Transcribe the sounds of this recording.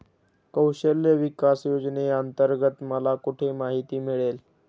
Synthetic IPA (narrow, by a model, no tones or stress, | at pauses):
kəwɕəljəʋikasjod͡ʑneənt̪əɾɡət̪məlakuʈʰemaɦit̪iːmiɭel